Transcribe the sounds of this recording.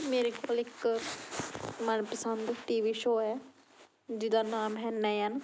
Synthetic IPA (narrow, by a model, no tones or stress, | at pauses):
meːɾekoːlɪk | mənpəsənd̪ʈiːʋiːʃoːɛː | d͡ʒɪd̪aːnaːmɦɛ̃ːnːɛːən